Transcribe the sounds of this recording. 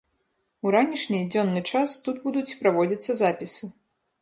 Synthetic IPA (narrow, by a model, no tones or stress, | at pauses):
uɾanʲiʂnʲid͡zʲɔnːɨt͡ʂast̪ud̪bud̪ut͡sʲpɾavɔd͡zʲit̪sːɐzapʲisɨ